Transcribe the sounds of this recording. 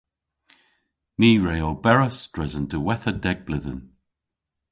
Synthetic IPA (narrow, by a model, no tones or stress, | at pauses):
miːɹejobɛɹəsd̥ɹɛzəndəwɛθədɛɡ̚blɪðə̰n